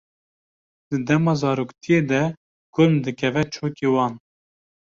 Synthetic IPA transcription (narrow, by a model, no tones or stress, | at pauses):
d̪ɨd̪ɛmɑːzɑːɾoːkt̪ʰijeːd̪ɛ | kʰʊlmd̪ɨkʲʰɛvɛt͡ʃʰoːkeːwɑːn